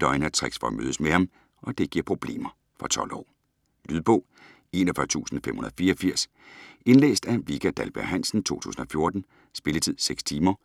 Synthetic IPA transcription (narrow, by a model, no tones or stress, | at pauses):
d̥ɒɪnæɐt͡sʰʁeɡ̥sfɒmø̰ːðˠəsmehɑ̈m | ʔɒ̽d̥e̝ɡ̥iɐ̰pʰʁo̝b̥le̝̰ːmɐ | fɒt͡sʰɒ̽l̰ɒ̰ː | lyðˠb̥ɔ̽ʊ̰ | e̝ːnɐfɶɐt͡sʰṵːsn̩fem̰hunɐðˠfiːɐɒfiɐ̰s | e̝nlḛːsd̥æʋiɡ̥ʰæd̥ælb̥æɐ̰hæn̰sn̩t͡sʰo̝̰ːt͡sʰṵːsn̩ɒ̽fjo̝ɐd̥n̩ | sb̥e̝lət͡sʰið̞̰ˠseɡ̥st͡sʰiːmɐ